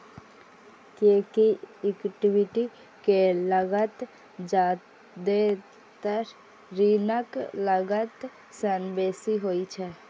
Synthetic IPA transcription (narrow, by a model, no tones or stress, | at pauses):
kekiɪkʈiʋɪʈi | keləɡət̪ | d͡ʒaː | d̪e | t̪əɾ | ɾinəkləɡət̪ | sənbeːsiɦoit͡ʃʰɛ